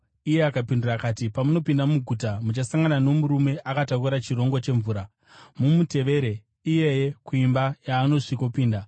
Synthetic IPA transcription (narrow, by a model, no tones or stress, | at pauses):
ije̞akapindurakatipamuno̞pindamuɡʱutamut͡ʃasaŋɡanano̞muɾume̞ʔakatakuɾat͡ʃiro̞ŋɡot͡ʃe̞ɱvuːɾa | mumute̞ʋe̞ːɾe̞ | ije̞je̞kuimbajaːno̞ʐikopiːnda